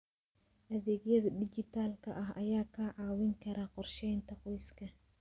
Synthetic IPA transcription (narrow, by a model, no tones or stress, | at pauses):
ʔɐðeːɡjɐðɐdɪt͡ʃɪt̪ʰaːlkʰɐʔɐɦɐjaːkʰɐʕɑːwɪŋkʰɐɾaːqɔrʃɛjnt̪ʰɐqɔjskʰɐ